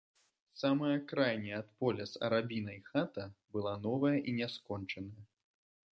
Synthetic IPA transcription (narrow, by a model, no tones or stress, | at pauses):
samɐjɐkɾajnʲiat̪pɔlʲɛsɐ̰ɾabʲin̪ɐjxat̪ɐbɨlˠanɔvɐjɐʔinʲɛskɔnt͡ʂɐnɐjɐ